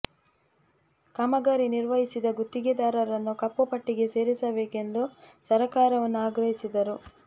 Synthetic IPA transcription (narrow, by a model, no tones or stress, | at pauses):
kamɐɡaːɾiniɾʋɐɦisid̪ɐɡut̪ːiɡed̪aːɾɐɾɐnːukɐpːupɐʈːiɡe̞se̞ːɾisɐbe̞ːke̞nd̪usɐɾɐkaːɾɐʋɐnːuaːɡɾɐɦisid̪ɐɾu